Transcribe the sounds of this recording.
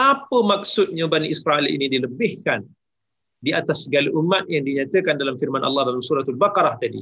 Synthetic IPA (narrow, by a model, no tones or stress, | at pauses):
apəmaksʊt̪̚ɲabaniʔisɾaʔɛlḭnidiləbɪhkan | diat̪asɡaliʔumːat̪̚jaŋdiɲat̪əkandalamfirmanʔɑ̰lːɑhdalamsuɾat̪albakɑɾaht̪adḭ